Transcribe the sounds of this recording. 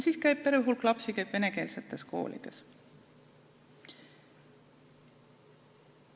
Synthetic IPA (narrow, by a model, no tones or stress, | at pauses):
siːskæjb̚pːe̞ɾejuɦulklɑpsikæjb̥ve̞ne̞ke̞ːlse̞t̪ːˑe̞sko̞̰ːlḭd̪̥e̞s